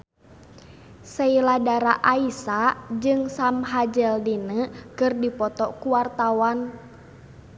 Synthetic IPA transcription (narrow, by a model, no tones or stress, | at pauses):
səiladaɾaʔaisad͡ʒɨŋsamɦad͡ʒəldinəkɨrdipɔt̪ɔkuwart̪awan